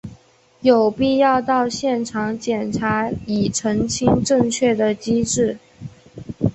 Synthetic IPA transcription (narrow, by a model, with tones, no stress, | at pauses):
jo˨˩ʊpi˥˧jɑ˥˧ʊt̪ɑ˥˧ʊɕjɛ˥˩nʈ͡ʂʰɑ˧˥ŋt͡ɕjɛ˨˩nʈ͡ʂʰa˧˥i˨˩ʈ͡ʂʰɤ˧˥ŋt͡ɕʰi˥ŋʈ͡ʂɤ˥˧ŋt͡ɕʰɥɛ˥˩d̪ə˩t͡ɕi˥ʈ͡ʂɻ̩˥˩